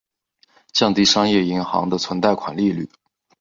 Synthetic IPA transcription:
t͡ɕjɑ˥˧ŋt̪i˥˩ʂɑ˥ŋjɛ˥˩i˧˥ŋxɑ̰˧˥ŋd̪ə˧t͡sʰwə˧˥nt̪a˥˩ɪkʰwa˨˩nli˥˧ly̰˥˩

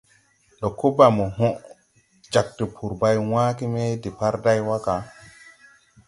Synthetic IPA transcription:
ɗɔ˨ko˦ba˨mo˨ɦɔ̃˦ʔ | d͡ʒa˨k̚ti˨pʰu˨ɾba˦jwãː˦ki˦me˦jdi˨pa˦ɾda˦jwa˦ka˨

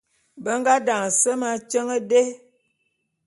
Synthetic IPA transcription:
bə˦ŋ˦ɡa˦da˨ŋ˨sə˦ma˦t͡ʃə˦ŋə˦de˦

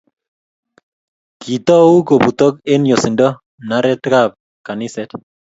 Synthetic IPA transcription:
ki˨t̪ɔ˦u˦ko˨bu˨t̪ɔ˦k̚e˦njo˨sɪ˨ndɔ˦ | na˦ɾɛ˦t̪ka˦p̚ | ka˨ni˦sɛ˦t̪

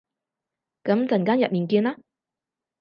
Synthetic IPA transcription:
kɐ˨˥mt͡sɐ˨˩nkaː˥njɐ˨t̚miː˨˩nkiː˧nlaː˦˥

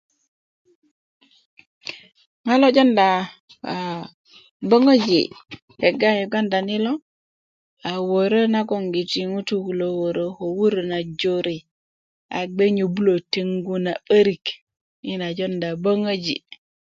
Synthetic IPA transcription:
ŋa˦lo˦d͡ʒo˦nda˨ | bə˦ŋə˦d͡ʒḭ˨ | he˨ɡa˦ɲo˨ɡa˦nda˨ni˦lo˦ | a˨wo˨ɾo˦na˦ko˨ŋɡi˨ti˨ŋu˦tu˦ku˨lo˨wo˨ɾo˦ho˨wu˦ɾo˨na˨d͡ʒo˦ɾi˨ | a̰˨ɡ͡be˦ɲo˨bu˦lo˨te˦ŋɡu˦na˨ɓə˦ɾi˨k | i˦na˨d͡ʒo˦nda˨bo˦ŋə˦d͡ʒḭ˨

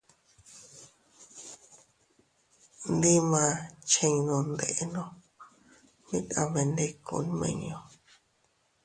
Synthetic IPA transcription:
nd̪ĩ˦mã˧t͡ʃẽ˧ɲ˧nõ˧nd̪e˧ʔe˦nõ˦˧ | mĩ˦tã̰˧βe˧nd̪e˧kṵ˧˦n˦mḛ̃˧ɲ˧õ˧

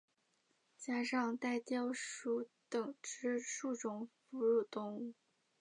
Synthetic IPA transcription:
t͡ɕja˥ʂɑ˥˧ŋt̪a˥˩ɪt̪jɑ˥˩ʊʂu˧˥t̪ɤ˨˩ŋʈ͡ʂɻ̩˥ʂu˥˩ʈ͡ʂʊ˨˩ŋfu˧˥ɻu˥˩t̪ʊ˥˧ŋu˥˩

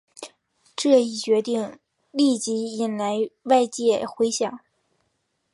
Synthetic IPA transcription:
ʈ͡ʂɤ˥˩i˨˩t͡ɕɥɛ˧˥t̪i˥˩ŋ | li˥˩t͡ɕi˧˥i˧˩nla˧˥ɪwa˥˧ɪt͡ɕjɛ˥˩xwe˧˥ɪɕjɑ˨˩˦ŋ

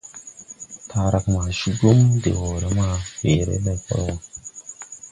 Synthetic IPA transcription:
t̪ʰa˨ɾa˨kma˨ʃu˦ɡu˦mdḛ˨wo˨ɾe˦ma˦he˨ɾḛ˦la˨jpa̰˦ɾwa˨

